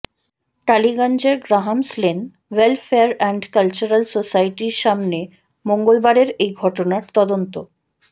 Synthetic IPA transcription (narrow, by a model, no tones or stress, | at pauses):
ʈaliɡand͡ʑeɾɡɾaɦamslen | welfeaɾɛɳɖkalt͡ɕuɾalsosajʈiɾʃamne | moŋɡolbaɾeɾejɡʱɔʈonaɾt̪ɔd̪ont̪o